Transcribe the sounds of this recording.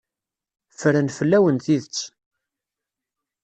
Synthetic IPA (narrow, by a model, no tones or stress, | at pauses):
fəɾənfəlːæwənθiðət͡sː